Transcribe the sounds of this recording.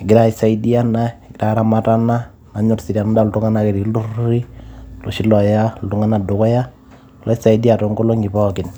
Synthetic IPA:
kɪ˨ɾa˦i˦sa˦i˦di˦a˦na˦kɪ˦ta˨ɾa˦ma˦ta˦na˦ | na˨ɲo˨rsi˨ɾja˨n˦nda˦ltu˦ŋa˦na˨ke˨ɾi˨lu˦rɾi˦lo˨ʃi˦lɔ˨ja˦lo˨tu˦ŋa˦na˨du˨kɔ˦ja˦ | lɔ˨˦i˦sa˦i˦di˦a˨to˨˦ŋɡo˦lo˦ŋɡi˨pɔ˦kɪ˨n

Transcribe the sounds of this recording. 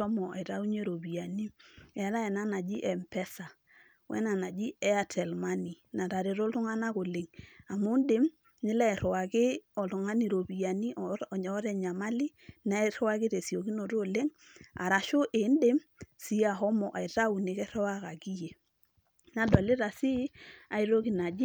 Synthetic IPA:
ɔ˦mɔ˨a̰˨i˨ɾa˦u˦ɲe˦ɾo˨bi˨a˨ni˦ɛ˨˦ɾa˦ɛ˨na˦na˨d͡ʒi˦ʔɛ˨mpɛ˦sa˨ | wɛ̰˦na˨na˨d͡ʒi˦ɛ˦a˨tʰɛ˨lma˦ni˨na˨ɾa˨ɾe˨ɾo˦ʊ˦ŋa˦na˦ko˨lɪ˨ŋa˨mʊ˦nde˦m | nɪ˦lɛ˦˨ɾʊ˨a˨kɪ˦ɔ˨tʊ˨ŋa˦ni˨ɾo˨bi˨a˨ni˦ʔɲ˨˦ɾɛ˦ɲa˨ma˦li˦na˦ɾʊ˦wa˦kɪ˦ɾe˨si˨o˨ki˦no˨ɾo˦˨le˦ŋ | a̰˨ɾa˨ʃʊ˦ʔe˨˦nde˦msi˦a˨ɦɔ˦mɔ˨ʔa˨ɪ˨ɾa˦u˨ne˨kɛ˦ɾɔ˦wa˦ka˨ki˦je˨ | na˨dɔ˨lɪ˦ɾa˨si˦a˨i˨˦ɾo˦ki˨na˨d͡ʒi˦

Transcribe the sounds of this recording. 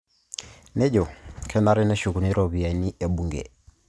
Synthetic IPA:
nɛ˦ɟo˨kʰɛ˦na˦ɾi˦ne˦ʃu˨ku˨ni˦ɾo˨bi˨a˨ni˦a˨bu˨ŋɡḛ˨

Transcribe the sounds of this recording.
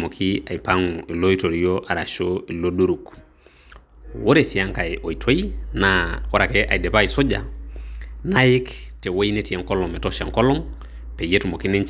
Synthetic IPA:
mo˨kʰia̰˨i˨paŋuʔi˨lo˦i˦to˨ɾijoʔa˨ɾa˨ʃoi˨lodu˦ɾuk | wo˦ɾesi˨aŋka˨jʔo˨i˨tʰo˦inawo˦ɾa˨keʔa̰˨i˨de˨pa˨iso˦ɟa̰˨ | naji˦k | te˨wo˦i˦neti˨e˨ŋko˦lo˨me˨toʃe˨ŋko˦lɔ˦ŋ | pe˨je˦tu˨mo˨ki˦ne˦ɲt͡ʃ

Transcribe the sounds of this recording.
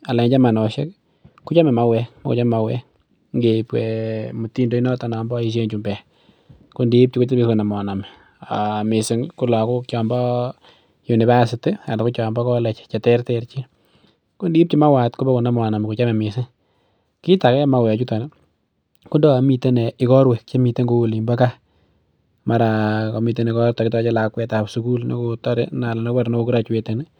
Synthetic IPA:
a˨lɛ˨ŋt͡ʃa˦ma˨nɔ˨ʃɛ˦k | kʊ˦t͡ʃa˦mɛ˨ma˦wɛ˦mɔ̰˦kʊ̰˨t͡ʃa˦m˨ma˨wɛ̰˦ | ŋɡe˨pwɛ˨mu˨ti˦ndo˦i˦nɔ˦ta˨na˨mbɔ˦i˨ʃ̬e˦nt͡ʃu˨mbɛ˨ | kɔ˦ndi˦p̚t͡ʃi˦kʊ˦tɪ˦bɪ˦skʊ˨na˨m˨a˨na˨mɪ˨ | a˨mɪ˨sɪ˦ŋkʊ˦lɔ˨kʊ˦kt͡ʃɔ˨mbɔ˦ | ju˨nɪ˨ba˦sɪtɪ˦a˨da˨kʊ˦t͡ʃɔ˨mbɔ˦kɔ˦lɛ˨t͡ʃt͡ʃa˨tɛ˦ɾtɛ˦ɾt͡ʃi˦ | kɔ˦ndi˦p̚t͡ʃi˦ma˦wa˨tkʊ˦bɔ˦ku˨na˦mɔ˨na˨mɪ˨ku˨t͡ʃa˦mɛ˨mɪ˨sɪ˦ŋ | kɪ˦ta˨kɛ˦a˦ma˨wɛ˨a˨t͡ʃu˦tɔ˨nɛ˦ | ku˦ndɔ˦a˨mi˨te˦nɛ˨ɪ˨kɔ˦ɾwe˨t͡ʃe˦mi˨te˦ŋɡo˦wo˨li˨mbɔ˦ka˦ | ma˨ɾa˨kɔ˨mi˨t̬e˦nɛ˨kɔ˦ɾtɔ˨kɪtɔ˦t͡ʃɛ˦la˨kwɛ˨ta˨psu˦ku˦lnḛ˦kotɔ˦ɾɪ˦na˨lnkbɛ˦ɾnɔ˦ko˦ku˦ɾa˦t͡ʃwete˨nɪ˦

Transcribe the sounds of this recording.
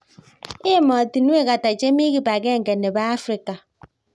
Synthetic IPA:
ɪ˦˨mɔ˨ti˨nu˦e˦ɣa˨ta˨t͡ʃe˦mi˦ɣi˦ba˨ɡe˦ŋ̩˨ɡe˨ne˨ba˦a˦fɾi˨ka˨

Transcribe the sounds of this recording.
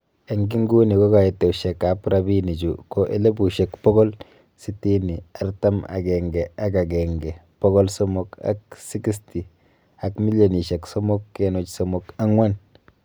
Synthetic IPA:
e˨ŋɡi˦ŋɡu˦ni˨kɔ˦ka˨i˨tɛ˨wʃɛ˨ka˨pɾabi˦ni˨t͡ʃṵ˨ko˦ʔḛ˦le˦bu˨ʃɛ˨kpɔ˦ɡɔ˦l | si˦ti˦ni˨a˨ɾta˦ma̰˨ɡɛ˨ŋɡɛ˨a˦ka˨ɡ̬ɛ˨ŋɡɛ˨pɔ˦kɔ˦lsɔ˦mɔ˦ka̰ksi˦ki˦sti˨ | a˨kmi˦ljo˨ni˨ʃɛ˨ksɔ˦mɔ˦kːɛ˨no˨t͡ʃsɔ˦mɔ˦ka˦ŋwa˦n

